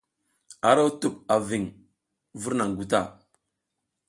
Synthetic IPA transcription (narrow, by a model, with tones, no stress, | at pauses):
a˨ɾa˦wtu˨p̚a˨vi˨ŋ | vu˦ɾna˨ŋ˨ɡu˨ta̰˦˨